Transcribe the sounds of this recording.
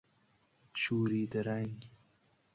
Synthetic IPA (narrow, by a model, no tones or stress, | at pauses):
t͡ʃuːɾid̪əɾaŋɡ